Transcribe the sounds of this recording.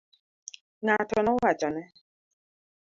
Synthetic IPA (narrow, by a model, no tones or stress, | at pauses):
naatɔnɔat͡ʃɔnɛ